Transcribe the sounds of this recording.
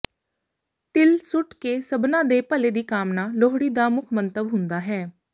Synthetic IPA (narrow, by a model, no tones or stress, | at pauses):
t̪ɪlsʊʈkeːsəbnãːd̪eːpəleːd̪iːkaːmnaːloːɦɽiːd̪aːmʊkʰmənt̪əbɦʊnd̪aːɦɛː